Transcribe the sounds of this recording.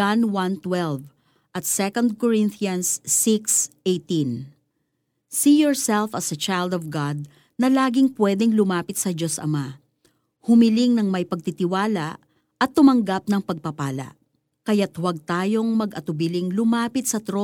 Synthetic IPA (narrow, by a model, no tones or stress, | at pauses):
anwɐnt̪wɛlv | ʔɐt̪sɛkond̪̚kɔɹɪnθiɐnsːiksʔejt̪in | sijɔɹsɛlfɐsɐt͡ʃajld̪ɔvɡad̪̚ | nɐlaːɡɪŋpwɛd̪ɛŋlʊmaːpɪt̪̚sɐd͡ʒo̞sʔɐ̰ma | hʊmɪlɪŋnɐŋmɐjpɐɡ̚t̪it̪ɪwaːlaʔ | ɐt̪ːʊmɐŋɡap̚nɐŋpɐɡ̚pɐpaːlɐ̰ʔ | kɐjat̪wɐɡ̚t̪aːjo̞ŋmɐɡʔɐt̪ʊbɪlɪŋlʊmaːpɪt̪̚sɐt̪ɾo